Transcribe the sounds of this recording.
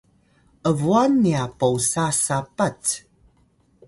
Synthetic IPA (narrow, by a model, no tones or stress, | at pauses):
ʔəvuanːiapowsasapat͡s